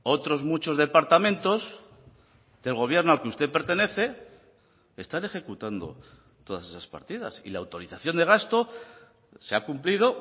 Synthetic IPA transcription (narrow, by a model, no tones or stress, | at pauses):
o̞t̪ɾo̞zmut͡ʃo̞zðe̞paɾt̪amẽ̞nt̪o̞z | d̪̥e̞lɣ̞o̞β̞je̞ɾnoalkeust̪e̞pe̞ɾt̪e̞ne̞θe̞ | est̪ane̞xe̞kut̪and̪o̞̰ | t̪o̞ðase̞saspa̰ɾt̪iða̰sḭlawt̪o̞ɾiθaθjo̞nd̪e̞ɣ̞ast̪o̞ | se̞akumplið̞o̞